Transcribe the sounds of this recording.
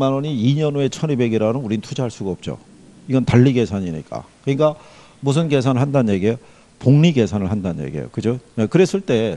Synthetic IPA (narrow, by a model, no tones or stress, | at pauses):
manwʌɲiːɲʌnoe̞t͡ɕʰʌnibe̞ɡeɾanɯnuɾinɯntʰud͡ʑaɦaɭs͈uɡaʌp̚t͡ɕ͈o̰ | iɡʌntaʎːiɡe̞sʰaɲiɲḭk͈a̰kɯɲik͈a | mus̬ʰɯnke̞sʰanɯɭhandanɲje̞ɡiejo | poŋɲiɡe̞sʰanɯɭhandanɲjḛɡiḛjo̰kɯd͡ʑojekɯɾe̞s͈ɯɭt͈e̞